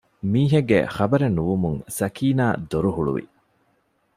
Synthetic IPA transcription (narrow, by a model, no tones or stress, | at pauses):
miːɦeɡːḛχɐbɐɾenuʋumuŋsɐkʰiːnaːd̪oɾuɦuɭṵʋḭ